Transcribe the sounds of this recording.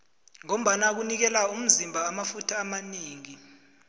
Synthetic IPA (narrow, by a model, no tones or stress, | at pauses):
ŋom̩ɓanak̬unik̬ɛlaum̩zimbʱaːmafutʰaːmaniːŋi